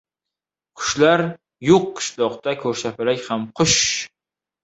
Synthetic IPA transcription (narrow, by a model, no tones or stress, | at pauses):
qʰʊ̥ʃlaɾ | joqːɨ̥ʃlˠɒqt̪akʰɵɾsapɪlakʲhamqʰʊʃ